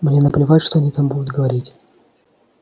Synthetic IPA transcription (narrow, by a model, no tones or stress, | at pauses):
mnʲenəplʲɪvaʊʂt̪oɐnʲit̪ambud̪ʊt̪ɡəvɐɾʲitʲ